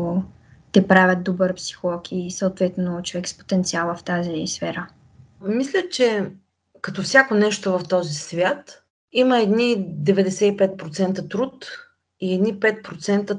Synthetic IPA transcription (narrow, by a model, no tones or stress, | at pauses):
t̪ɛpɾavʲət̪̚d̪obəɾpsi̥xolˠɔkʰisəot̪vɛt̪ɛnot͡ʃovɛkspo̥t̪ɛnt̪sialˠəft̪azisfɛɾə | mislʲət͡ʃɛ | kɐt̪ɔfsʲakonɛʃt̪ovɐft̪ɔzisvʲjat̪ | iməɛd̪nid̪ɛvɛd̪ɛsɛipɛt̪̚pɾot̪sɛnt̪ət̪ɾut̪ | iɛd̪nipɛt̪̚pɾot̪sɛnt̪ə